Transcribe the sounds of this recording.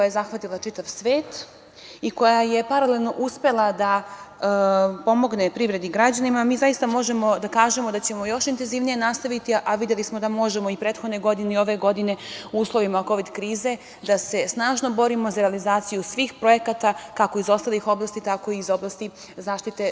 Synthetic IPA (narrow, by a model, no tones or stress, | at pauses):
kojajezaxʋat̪ilˠat͡ʃit̪aʋsʋeːt̪ | iko̞jaje̞paɾalelˠno̞ʔuspe̞lˠad̪a | po̞mo̞ɡne̞pɾivɾe̞d̪iɡɾad͡ʑanimamiːzajist̪amo̞ʒe̞mo̞d̪akaːʒe̞mo̞d̪at͡ɕe̞mo̞jo̞ʃint̪enziʋnije̞nast̪aʋit̪iʔaʋid̪je̞lismod̪amo̞ʒemo̞ipɾet̪xo̞d̪ne̞ɡo̞d̪ineo̞ʋe̞ɡo̞d̪ine̞uuːslˠo̞ʋimako̞ʋid̪kɾiːze̞ | d̪ase̞snaːʒno̞bo̞ɾimo̞zaɾealizaːt̪sijusʋiːxpɾo̞je̞kat̪akako̞izo̞st̪alˠixo̞blˠast̪it̪ako̞iːzo̞blˠast̪i | zaːʃt̪it̪e̞